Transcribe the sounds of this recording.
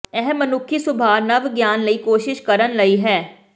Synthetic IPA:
ɛɦɛmːɐnʊkʰːisʊbʱaːnɐʋɡjaːnlɐikoːʃɪʃkɐɾənlɐiɦɛː

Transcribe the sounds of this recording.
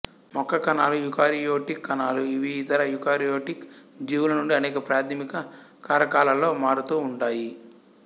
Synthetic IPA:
mɔkːɐkɐnaːlujukaːɾijoːʈikːɐnaːluiʋiːt̪ɐɾɐjukaːɾijoːʈikd͡ʒiːʋwulɐnuɳɖiɐnɛːkɐpɾaːt̪ʰimikɐkaːɾɐkaːlɐlːo̞ːmaːɾut̪uːɳʈaːji

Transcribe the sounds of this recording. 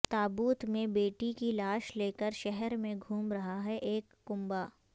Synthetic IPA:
t̪aːbuːt̪mẽbeːʈikilaːʃleːkəɾʃɛɦɛɾmẽɡʱuːmɾɐɦaɦɛʔeːkːʊ̃mbaː

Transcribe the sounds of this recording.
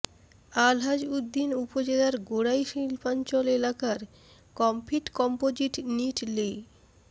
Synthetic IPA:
alɦad͡ʑud̪ːinupod͡ʑelaɾɡoɽajʃilpant͡ɕɔlelakaɾ | kɔmpʰiʈkɔmpod͡ʑiʈniʈlej

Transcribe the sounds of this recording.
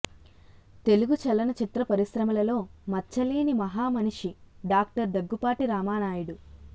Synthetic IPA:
t̪e̞luɡut͡ʃɐlɐnɐt͡ʃit̪ɾɐpɐɾisɾɐmɐlɐlo̞ːmɐt͡ʃːɐliːnimɐɦaːmɐniʂiɖaːk̚ʈɐɾd̪ɐɡːupaːʈiɾaːmaːnaːjuɽu

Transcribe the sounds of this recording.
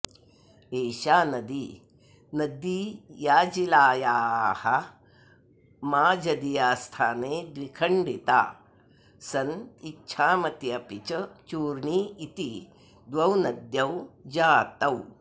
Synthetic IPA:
eːɕaːnɐd̪iː | nɐd̪iːjaːd͡ʒilaːjaːhɐ | maːd͡ʒɐd̪ijaːst̪ʰaːneːd̪ʋikʰɐɳɖit̪a̰ː | sɐnitːɕʰaːmɐt̪jɐpit͡ʃɐt͡ʃuːɾɳiːit̪i | d̪ʋɐwnɐd̪jɐwd͡ʒaːt̪ɐw

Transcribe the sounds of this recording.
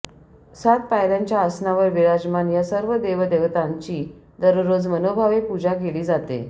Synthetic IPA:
sat̪̚pajljaɲt͡ɕjaəsnaʋəɾʋiɾad͡ʑmanjasəɾʋəd̪eʋəd̪eʋt̪aɲt͡ɕiː | d̪əɾɾod͡zmənobʱaʋepud͡ʑakeliːd͡zat̪ḛ

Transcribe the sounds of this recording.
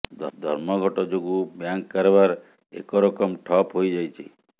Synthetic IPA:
d̪ʱɔ̰ɾmɔɡʱɔʈɔd͡ʒoɡubjaŋkːɔɾebaɾ | ḛkɔɾɔkɔmʈʰɔpɦojd͡ʒajt͡ʃʰḭ

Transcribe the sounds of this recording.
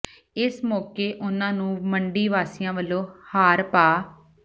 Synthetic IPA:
ɪsmɔːkeːʔʊnãːnũːməɳɖiːʋaːsijãːʋəlːoːhaːɾpaː

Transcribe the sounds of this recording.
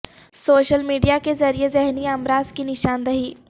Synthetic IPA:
soːʃəlmiːɖijakezɐɾiezɛɦniɐmɾaːzkinɪʃaːnd̪ɐɦiː

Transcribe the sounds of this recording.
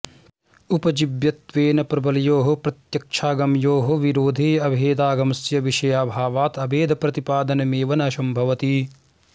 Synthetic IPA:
upɐd͡ʒibjɐt̪ʋeːnɐpɾɐbɐlijoːɦɐpɾɐt̪jɐkʃʰaːɡɐmjoːɦɐʋiɾoːd̪ʱeːɐbʱeːd̪aːɡɐmɐsjɐʋiʃɐjaːbʱaːʋaːt̪ɐbʱeːd̪ʱɐpɾɐt̪ipaːd̪ɐnɐmeːʋɐnɐɐʃɐmbʱɐʋɐt̪i

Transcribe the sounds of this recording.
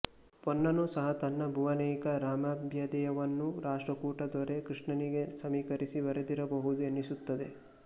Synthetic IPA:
ponːɐnusɐɦɐt̪ɐnːɐbʱuʋɐnɛːkɐɾaːmaːbʱjɐd̪ɛjɐʋɐnːuɾaːʂʈɾɐkuːʈɐd̪ɔɾe̞kɾiʂɳɐniɡe̞sɐmiːkɐɾisiʋɐɾed̪iɾɐbɐɦud̪uenːisut̪ːɐd̪e

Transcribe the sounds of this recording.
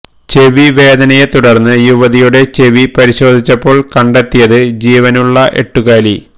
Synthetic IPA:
t͡ɕe̞ʋiʋe̞ːd̪ɐnɐjet̪uɽɐrnːɨjuʋɐðijuɽe̞t͡ɕe̞ʋipɐɾiɕo̞ːd̪ʱit͡ɕːɐpːo̞ːɭkɐɳɖet̪ːijɐðɨd͡ʑiːʋɐnuɭːɐʔe̞̰ʈːuɣaːli

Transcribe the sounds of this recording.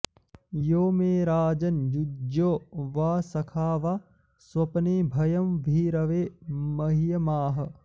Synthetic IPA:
joːmeːɾaːd͡ʒɐnd͡ʒud͡ʒoːʋaːsɐkʰaːʋa | swɐpɐneːbʱɐjɐmʋʱiːɾɐʋeːmɐɦijɐmaːɦɐ̆

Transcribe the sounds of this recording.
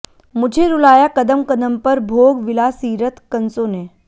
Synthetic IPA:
mʊd͡ʒʱeɾʊlaːjakɐd̪əmkɐd̪əmpɐɾbʱoːɡʋɪlasiːɾət̪kɐnsoːneː

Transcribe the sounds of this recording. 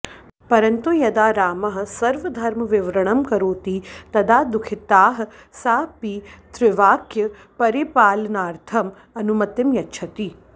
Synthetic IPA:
pɐɾɐnt̪ujɐd̪aːɾaːmɐɦɐ̆sɐɾʋɐd̪ʱɐɾmɐʋiʋɾɐɳɐmkɐɾoːt̪it̪ɐd̪aːd̪ukʰit̪aːɦ | saːpit̪ɾɪʋaːkjɐ | pɐɾipaːlɐnaːɾt̪ʰɐm | ɐnumɐt̪jɐmjɐtːt͡ʃʰɐt̪i

